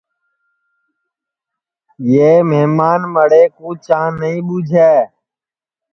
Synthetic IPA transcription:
jeːmeːmaːnməɽeːkuːt͡ʃãːnəĩːɓuːd͡ʒʱɛː

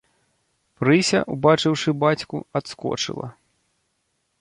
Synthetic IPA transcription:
pɾɨsʲɐ̰ʔubat͡ʂɨwʂɨbat͡sʲkṵat̪skɔ̰t͡ʂɨ̰lˠɐ̰

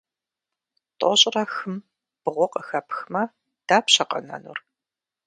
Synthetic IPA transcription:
tʼɔɕʼrɐxɨm | b̥ɨʁʷɔqəxɐpʰxmɐ | d̥aːpɕɐqɐ̰nɐ̰nṵr

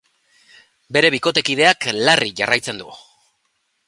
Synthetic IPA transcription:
be̞ɾe̞βiko̞t̪e̞kiðe̞aklariʝarajt͡se̞nd̪ṵ

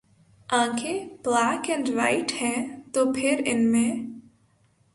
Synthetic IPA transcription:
ãːkʰeplaːkɛ̃ɳɖʋa̰ːɪʈhɛ̃t̪oːpʰɪɾɪnmẽ

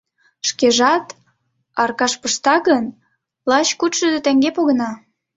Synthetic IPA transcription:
ʃkeʒɑt̪ | ɑrkɑʃpəʃt̪ɑɣən | lɑt͡ɕkut̪ʃəd̪et̪æŋɡepoɣənɑ

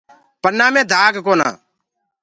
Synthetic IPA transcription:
pɐɾnaːmɛ̃ːd̪ʱaːɡkoːna̰ː

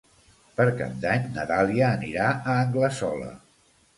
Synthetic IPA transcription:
pəɾka̰nd̪aɲnət̪aliəːniɾaəːŋɡləsɔlə̰

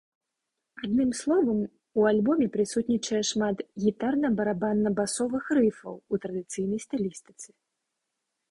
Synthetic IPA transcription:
ad̪nɨmslˠɔvɐm | ualʲbɔmʲɛpɾɨsut̪ʲnʲit͡ʂɐjɛʂmat̪ɣʲit̪arnɐbɐɾabanːɐbasɔvɨxrɨfɐ̰wut̪ɾɐd̪ɨt̪sɨjnɐjst̪alʲist̪ɨ̥t̪sɨ̥

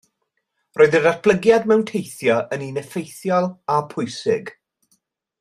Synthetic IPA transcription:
roːɨðədatb̥lˠəɡjadmɛwntʰejθjɔʔəninɛfejθjɔlˠapʰʊjsɪɡ̥

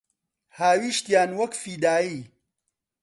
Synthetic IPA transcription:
haːwiːʃt̪jaːnwɐkfiːd̪aːjiː

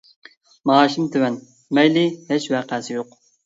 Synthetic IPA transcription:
mɑːʃimt̪ʰewɛn | mɛjlɪhɛt͡ʃwæqʰæːsɪjoq

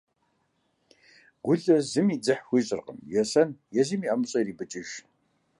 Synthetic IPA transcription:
ɡ̥ʷʊɮɐzɨmiːd͡zɨħxʷiːɕʼɪ̰rqə̰mjɛsɐnjɛziːmiːɐmɨɕʼɐriːbɨt͡ʃʼɪʒ

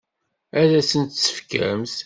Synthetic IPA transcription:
æðæsənt̪sːə̥fkæ̰ms

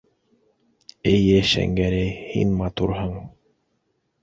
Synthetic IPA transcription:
ɘjɘʃæ̰ŋɡæɾæjhḭnmɑt̪uɾɦɤɴ

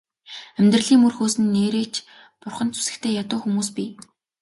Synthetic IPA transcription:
æmʲt̪rə̆ɮiːŋurxoːsɘ̆nːeːɾeːt͡ɕ | pʊrχə̆nt͡sʰu̥sɘ̆kt̪ʰeːjat̪ʊːxumuːspʲi

